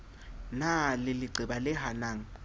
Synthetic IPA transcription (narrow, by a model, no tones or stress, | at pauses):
nalɪlɪɡ͡ǀʱɪbalɪɦanaːŋ̩